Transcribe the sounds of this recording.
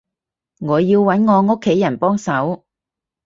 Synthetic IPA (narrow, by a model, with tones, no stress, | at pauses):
ŋɔː˨˧jiː˧wːɐ˨˥nŋɔː˨˧ŋo˥kʰːe˨˥jːɐ˨˩npɔː˥ŋsɐ˨˥w